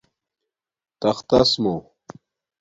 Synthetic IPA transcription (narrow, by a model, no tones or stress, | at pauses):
t̪ɐxt̪ɐsmo